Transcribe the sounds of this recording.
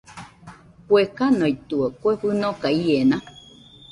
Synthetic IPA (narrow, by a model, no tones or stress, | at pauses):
pwekanoit̪uekweɸɨnõkaienã